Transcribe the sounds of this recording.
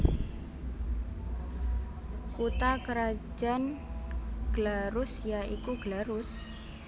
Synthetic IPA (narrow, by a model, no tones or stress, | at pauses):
kut̪akəɾḁd͡ʒan | ɡ̥laɾʊsjaikuɡ̥laɾʊs